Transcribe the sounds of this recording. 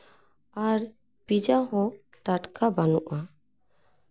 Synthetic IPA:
aɾ | pid͡ʒaɦɔ̃ | ʈaʈkabanɔʔa

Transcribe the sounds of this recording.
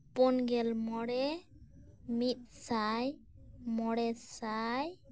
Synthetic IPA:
pɔnɡɛlmɔɽɛ | mit̪̚ˀsajmɔɽɛsaj

